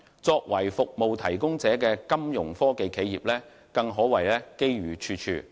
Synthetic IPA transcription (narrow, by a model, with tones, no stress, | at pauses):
t͡sɔː˧k̚wɐ˨˩jfʊ˨k̚mo˨wt̪ʰɐ˨˩jkʊ˥ŋt͡sɛː˨˥kɛː˧kɐ˥mjʊ˨˩ŋfɔː˥ke˨˧jkʰe˨˥jjiː˨p̚lɛː˥ | kɐ˧ŋɦɔː˨˥wɐ˨˩jlɛː˥ke˥jɥyː˨˩t͡ʃʰyː˧t͡ʃʰyː˧